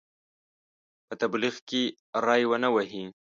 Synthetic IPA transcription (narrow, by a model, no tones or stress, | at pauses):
pət̪abliɣke | ɾɑjwənawaɦi